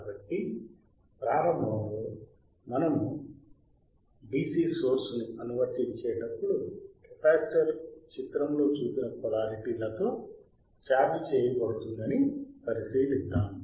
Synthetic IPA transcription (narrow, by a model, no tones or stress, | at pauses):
kabɐʈːi | pɾaːɾɐmbʱɐmlo | mɐnɐmu | biːsiːsoːɾsnuɐnuʋɐɾt̪id̪t͡ʃɛːjɐɖɐpːuɽukɛpaːsʈɐɾt͡ʃit̪ɾɐmlo̞ːt͡ʃuːpinɐkɐlaːɾiʈiːlɐt̪o̞ː | t͡ʃaːbit͡ʃɛːjɐkoːt̪und̪ɐnipɐɾisiːd̪ist̪ːaːmu